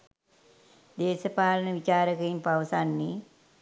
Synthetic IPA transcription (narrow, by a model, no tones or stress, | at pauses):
d̪eːsəpaːlənəʋit͡ʃaːɾəkəjimpaʋəsanːi